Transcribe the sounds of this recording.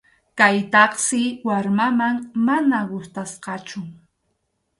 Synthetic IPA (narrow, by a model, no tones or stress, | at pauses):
kajt̪ɑχsɪwaɾmamaŋmanaɢʊst̪asqɑt͡ʃʊ